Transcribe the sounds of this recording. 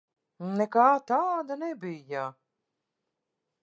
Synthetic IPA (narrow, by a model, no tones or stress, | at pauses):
nɛkaːt̪aːd̪anɛbija